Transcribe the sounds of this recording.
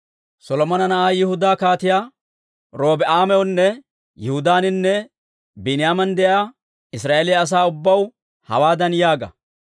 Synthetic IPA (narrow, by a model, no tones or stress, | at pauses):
sɔlɔmɐnɐnɐʔaːjɪhʊd̪aːkaːt̪ɪjaː | ɾo̞ːbɛʔaːmɛɔnːɛ | jɪhʊd̪aːnɪnːɛ | bɪnɪjaːmɐnd̪ɛʔɐja | ɪsɾaːʔelɪjɐːs̬aːʊbːɐw | hɐ̰waːd̪ɐnjaːɡɐ̰